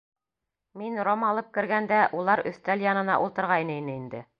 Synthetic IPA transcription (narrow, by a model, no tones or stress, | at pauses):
minɾomɑlˠɤp̚kɘ̆ɾɡænd̪æʔulˠɑɾɵ̰̆θt̪æljɑnɤ̆nɑ̰ʔulˠt̪ɤ̆ɾʁɑjnɤinɘind̪ɘ̰